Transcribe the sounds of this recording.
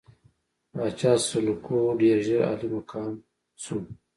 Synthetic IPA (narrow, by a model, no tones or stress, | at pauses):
ɾaːt͡ʃaːsulukoɖeːɾʒeɾa̰ːlimakʰaːn | sum